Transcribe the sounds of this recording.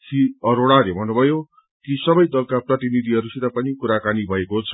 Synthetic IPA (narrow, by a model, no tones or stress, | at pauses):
siʌɾoɽ̃alebʱʌnːubʱʌjo | kisʌbʌjd̪ʌlkaprʌt̪inid̪ʱiɦʌɾusit̪apʌnikuɾakanibʱʌekot͡sʰʌ